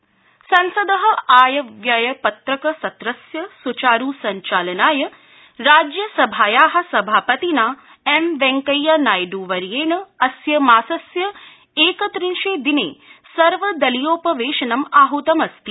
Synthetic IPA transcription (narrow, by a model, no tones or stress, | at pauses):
sɐnsɐd̪ɐɦɐ̆aːjɐʋjajɐpɐt̪ɾɐkɐsɐt̪ɾɐsjɐsut͡ʃaːɾuːsɐɲt͡ʃaːlɐnaːjɐ | ɾaːd͡ʒjɐsɐbʱaːjaːɦɐ̆sɐbʱaːpɐt̪inaː | emʋeŋkɐjːaːnaːjɖuːʋɐɾjeːɳɐɐsjɐmaːsɐsjɐ | eːkɐt̪ɾinʃeːd̪inḛːsɐɾʋɐd̪ɐlijoːpɐʋeːʃɐnɐmaːɦut̪ɐmɐst̪i